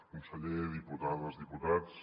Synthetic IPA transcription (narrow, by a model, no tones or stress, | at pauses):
kunsəʎeðiput̪aðəlˠzðiput̪at͡s